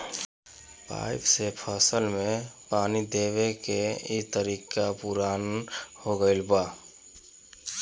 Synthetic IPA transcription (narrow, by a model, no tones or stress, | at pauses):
pa̰ːɪpsepʰəsəlmẽpaːnid̪eːwekeit̪əɾiːkapuɾaːnhoɡəɪlbaː